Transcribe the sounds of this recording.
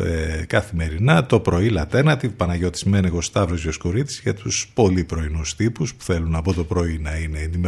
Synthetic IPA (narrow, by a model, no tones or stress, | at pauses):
kɐθime̞ɾinɐt̪o̞pɾo̞ilɐt̪eɾnɐt̪ipɐnɐʝot̪i̥zmeniɣo̞st̪ɐvɾozʝoskuɾit̪i̥zʝɐt̪uspo̞lipɾo̞inust̪ipuspu̥θe̞lunɐpo̞t̪o̞pɾo̞inɐine̞ːnd̪ime